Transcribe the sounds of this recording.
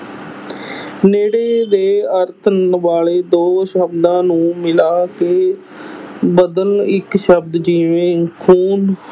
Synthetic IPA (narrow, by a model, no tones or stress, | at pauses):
neːɽeːd̪eːəɾt̪ʰʋaːleːd̪oːʃəbd̪ãːnũːmɪlaːkeː | bəd̪əlɪkʃəbd̪d͡ʒiːʋẽːkʰuːn